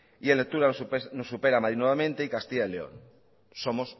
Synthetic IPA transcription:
ielːek̚t̪uɾaspnosːupeɾamaðɾiðnweβamẽnt̪eikast̪iʝaðeleo̰n | somos

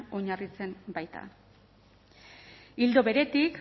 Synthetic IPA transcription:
o̞ɲarit͡se̞mbajt̪a̰ | ild̪o̞βe̞ɾe̞t̪ik

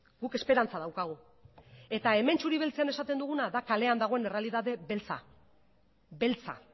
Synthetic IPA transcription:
ɡuke̞spe̞ɾant͡sað̞awkaɣ̞u | e̞t̪ae̞me̞nt͡ʃuɾiβ̞e̞lt͡seanesat̪e̞nd̪uɣ̞unaðakale̞and̪aɣ̞o̞e̞ne̞re̞aliðaðe̞βe̞lt͡sa̰ | be̞lt͡sa̰

